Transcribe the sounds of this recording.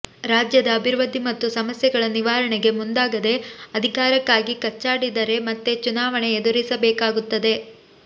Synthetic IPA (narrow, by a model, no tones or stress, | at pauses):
ɾaːd͡ʒjɐd̪ɐːbʱiɾʋɐd̪ʱimɐt̪ːusɐmɐsjɛɡɐɭɐniʋaːɾɐɳɛɡe̞mund̪aːɡɐd̪e̞ɐd̪ʱikaːɾɐkːaːɡikɐt͡ʃːaːɽid̪ɐɾe̞mɐt̪ːet͡ʃunaːʋɐɳeːd̪uɾisɐbɛːkaːɡut̪ːɐd̪e̞